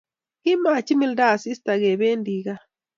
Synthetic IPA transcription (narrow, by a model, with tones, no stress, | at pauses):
ki˦ma˨t͡ʃi˦mi˦lda˦˨si˦sta˨ɣe˨βe˦ndi˨ɣa˦